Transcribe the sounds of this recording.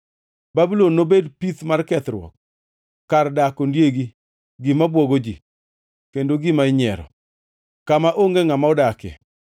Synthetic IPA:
babilonːobedpit̪markɛt̪ɾwɔ̰kː | ardakondjeɡi | ɡɪmabwɔɡod͡ʒḭ | kendoɡɪmaɪɲɛɾɔ̰ | kamaʔoŋɡeŋamaɔdakɛ̰

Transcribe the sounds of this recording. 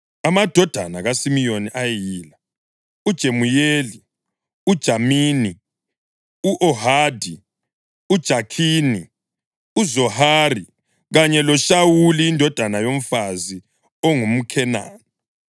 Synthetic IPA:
amad̥ʱɔd̥ʱanaɣasimijoniʔajɛjiːla | ud̥ʒ̥ʱemujeːli | ud̥ʒ̥ʱamiːni | uʔɔhaːdʱi | ud̥ʒ̥ʱakʰiːni | uzɔhaːri | ɣaɲɛlɔʃawuliːndʱɔd̥ʱanajom̩fazi | ɔŋum̩kʰɛna̰ːni

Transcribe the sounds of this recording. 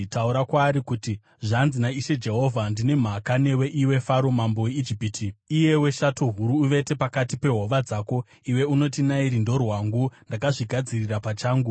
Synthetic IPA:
tauɾakwaːɾikuti | ʐanzinaiʃe̞d͡ʒe̞ɦo̞vʱandine̞m̤akane̞we̞ʔiwe̞faɾo̞mambo̞weid͡ʒipiːtʰiije̞we̞ʃatoɦuɾuːʋe̞te̞pakatipe̞ɦo̞ʋad͡zaːko̞ | iwe̞uno̞t̬inaiɾindo̞rwaŋɡundakaʐiɡʱad͡zirirapat͡ʃaːŋɡu

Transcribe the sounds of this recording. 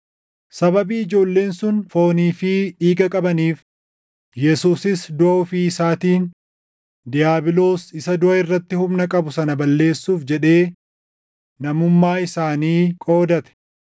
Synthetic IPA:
sɐbɐbiːɪd͡ʒo̞ːlːe̞ːnsʊnfo̞ːniːfɪᶑiːɡɐkʼɐbɐniːf | jɛsuːsɪsd̪ʊʔɐʊfiːɪsaːt̪iːn | d̪ɪjaːbɪlo̞ːsɪsɐd̪ʊʔɐɪrːɐt̪ːɪhʊmnɐkʼɐbʊsɐnɐbɐlːe̞ːsːuːfd͡ʒɛᶑe̞ː | nɐmʊmːaːɪsaːniːkʼo̞ːd̪ɐt̪ɛ̥

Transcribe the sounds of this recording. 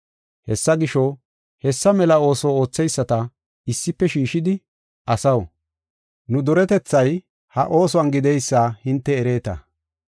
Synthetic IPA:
hɛsːɐɡɪʃɔ | hɛsːɐmɛlɐo̞ːsoo̞ːt͡sːɛjsːɐt̪ɐ | ɪsːɪpːɛʃiːʃɪd̪ɪ | ɐsɐw | nʊd̪ɔɾɛt̪ɛt͡sːɐj | hɐ̰ʔo̞ːsɔwɐnɡɪd̪ɛjsːahɪnt̪ːɛːɾe̞ːt̪ɐ̰

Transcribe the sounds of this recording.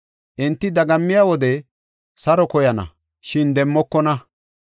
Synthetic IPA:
ʔɪnt̪ːɪd̪ɐɡɐmːɪjawɔd̪ɛ | sɐɾɔkɔjɐnɐ̰ | ʃɪnd̪ɛmːɔkːɔnɐ

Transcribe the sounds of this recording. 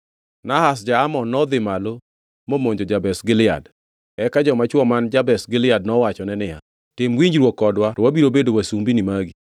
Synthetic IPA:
nahas̬d͡ʒaamɔnːɔd̪ɪmalo | momoɲd͡ʒod͡ʒabɛsɡɪlɪa̰d | ɛkad͡ʒɔmat͡ʃwɔmand͡ʒabɛsɡɪlɪadnɔwat͡ʃɔnɛnɪja̰ | tɪmwiɲd͡ʒɾwɔkːɔdwatɔwabiɾobedowasumbinimaɡi

